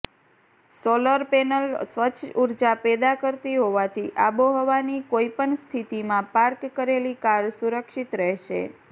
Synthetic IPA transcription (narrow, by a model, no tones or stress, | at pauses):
soləɾpɛnəlsʋət͡ʃʰːuɾd͡ʒapɛd̪akəɾt̪iɦoʋat̪ʰiʔaboɦɔʋanikoipəɳst̪ʰit̪imãpaɾkːəɾelikaɾsuɾəkʃit̪ɾɛɦʃḛ